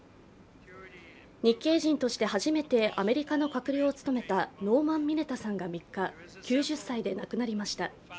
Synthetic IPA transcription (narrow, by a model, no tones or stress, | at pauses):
ɲ̟ikːe̞ːʑĩnt̪o̞ɕi̥t̪e̞haʑime̞t̪e̞ʔame̞ɾʲikano̞kakɯ̟ɾʲio̞t͡sɨ̥t̪o̞me̞t̪ano̞ːmãmːʲine̞t̪asãŋɡamʲikːa | kʲɨːʑɨsːaid̪e̞nakɯ̟naɾʲimaɕi̥t̪a